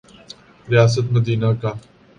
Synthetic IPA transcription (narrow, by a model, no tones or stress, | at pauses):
ɾɪjaːs̬ət̪məd̪iːnakaː